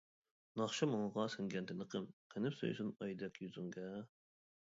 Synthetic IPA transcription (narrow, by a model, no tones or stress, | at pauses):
nɑχʃɑmoŋɑʁɑsɨŋɡʲɛnt̪ʰɪnɨqʰəmqʰənɪpso̰j̰sunɑjd̪ɛkʲjyzuŋɡɛ